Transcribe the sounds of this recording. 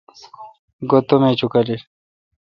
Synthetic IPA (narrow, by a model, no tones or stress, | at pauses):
ɡot̪omet͡ɕʰukɐli